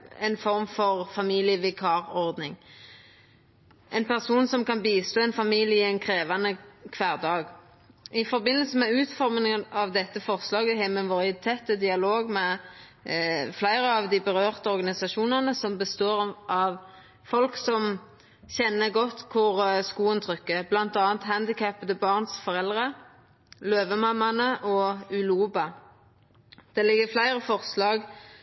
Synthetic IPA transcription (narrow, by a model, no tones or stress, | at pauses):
ɛ̰nfɔɾmfɔʁfɑmiːlɪəʋɪkʰɑːʁɔʁd̪nɪŋ | ʔɛnpʰæʁsuːnsɔmkɑnbiːst̪oːɛnfɑmiːljəɪɛɪnkʰʁeːʋɑnəkʰʋæːʁd̪ɑːɡ | ʔɪfɔɾbɪnːəlsəmɛʉːt̪fɔɾmənəɑʋd̪ɛt̪ːəfɔʁslɑːɡəhæmənʋɔʁɪt̪ʰɛt̪ːəd̪ɪɑloːɡmɛ | flæɪɾəɑʋd̪ɪbəʁøːʁt̪əɔɾɡɑnɪsɑʃuːnənəsɔmbəst̪oːʁʔɑʋ | fɔlksɔm | çɛnːəɡɔt̪ːkʰʊʁskuːənt̪ʰʁʏkːəblɑnt̪ɑːnt̪hænd̪ɪkʰæpd̪əbɑːʁnsfɔʁɛld̪ʁə | løːʋəmɑmːɑnəʔɔʉluːbɑ | d̪̥ɛlɪɡːəflæɪɾəfɔʁslɑːɡ